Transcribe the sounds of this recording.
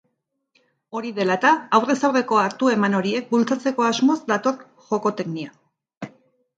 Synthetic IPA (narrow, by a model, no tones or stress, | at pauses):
o̞ɾiðe̞lat̪aːwre̞sawre̞ko̞aɾt̪ue̞mano̞ɾie̞k̚bult͡sat͡se̞ko̞azmo̞zd̪at̪o̞ɾ | ʝo̞ko̞t̪e̞knia